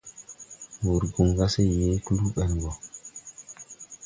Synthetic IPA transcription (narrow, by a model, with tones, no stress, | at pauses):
wu˨ɾɡu˨ŋɡa˦sɛ˦je˦ku˦lu˦ɓɛ˨lɡɔ˨